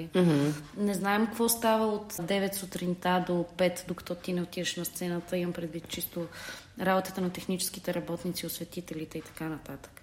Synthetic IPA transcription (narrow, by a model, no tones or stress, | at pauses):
nɛznaɛmkəkvɔst̪avəot̪d̪ɛvɛt̪sʊt̪ɾint̪ad̪opɛt̪d̪okɐ̥t̪ɔt̪inɛot̪ivəʃnɐst̪sɛnət̪əimɐmpɾɛd̪vit̪t͡ʃist̪o | ɾabot̪ət̪ənɐt̪ɛxnit͡ʃɛ̥sk̟it̪ɛɾɐbɔt̪nit̪siosvɛt̪it̪ɛlit̪ɛit̪ɐ̥kanɐt̪at̪ə̥k